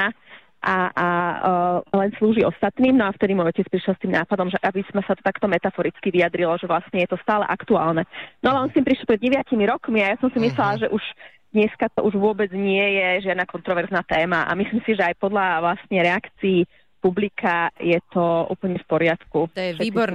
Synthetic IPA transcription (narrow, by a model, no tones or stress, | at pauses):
a | ʔaa | lɛnsluːʒiɔst̪at̪niːmnɔaft̪ɛd̪imɔjɔcɛt͡spɾiʃjɛlst̪iːmnaːpad̪ɔmʒɛʔabismasat̪ɔt̪akt̪ɔmɛt̪afɔɾit͡skiʋiad̪ɾilɔʒɛʋlasɲɛjɛt̪ɔst̪aːlɛ̰ʔakt̪ua̰ːlnɛnɔalɛɔnst̪iːmpɾiʃɛlpɾɛd̪ɟɛʋjacimiɾɔkmiajasɔmsimislɛlaʒɛʔuʒ | d̪ɲɛskat̪ɔʔuʒʋʊɔbɛd͡zɲɪɛjɛʒɪad̪nakɔnt̪ɾɔʋɛɾznaːt̪ɛːmaʔa̰misliːmsiʒɛajpɔd̪ʎaʋlast̪ɲɛɾɛakt͡siː | publikʰajɛt̪ɔʔṵːpl̩ɲɛfpɔɾɪat̪kuʃɛ